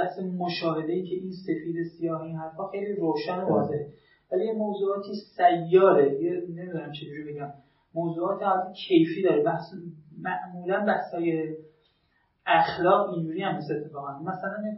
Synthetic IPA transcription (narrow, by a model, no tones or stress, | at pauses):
æhsemoʃɒːɦe̞d̪eiːncʰeʔinse̞fiːd̪esijɒːhiːnhɦæɾfɒːxe̞jliːɾoːʃænobɒ̰ːzeɾe | vælijemoːzuːɒːt̪ʰiːsæjːɒːɾed̪iɡene̞mid̪uːnæmt͡ʃʰed͡ʒuɾibeɟæmː | oːzuːɒːt̪ʰihɒt̪ecʰe̞jfiːd̪ɒːɾebæhsmæʔmuːlænbæhshɒːje | æxlɒːɣind͡ʒuːɾiːhæmest̪e̞t̪ʰːe̞fɒːɣænmæsælæn